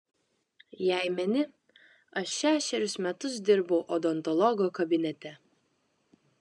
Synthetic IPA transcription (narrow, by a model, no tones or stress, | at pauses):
jæɪmʲɛnʲɪ | ɐʃːʲæːʃʲɛɾʲɪsmʲɛt̪ʊs̬d̪ʲɪɾboʊʔɔd̪ɔnt̪ɔlˠɔɡoːkɐbʲɪnʲɛt̪ʲɛ